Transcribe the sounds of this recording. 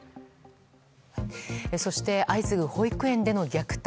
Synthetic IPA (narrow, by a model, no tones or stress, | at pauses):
so̞ɕi̥t̪e̞ʔaisɨɡɯ̟ho̞ikɯ̟ẽ̞nd̪e̞no̞ɡʲakɯ̟̥t̪